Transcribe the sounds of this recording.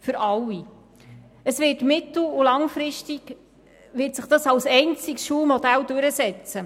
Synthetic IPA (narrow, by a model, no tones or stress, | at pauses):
fʏɾʔɑlːi | əsvɪːtmɪt̪l̩ulɑŋfɾɪʃtiɡ̥ | ʋɪːtsəχd̥ɑsɑwsɛɪnt͡sɪkʃuːmɔd̥̪æld̥øɾəsɛt͡sə